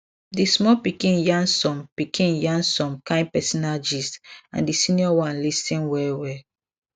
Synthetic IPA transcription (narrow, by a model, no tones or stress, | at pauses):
dismɔpikĩnjãŋsɔ̃mpikʰĩnjãnsɔ̃mkãɪ̃npɛsɔnad͡ʒisã̰ndisĩniɔwãnlistĩnwɛwɛ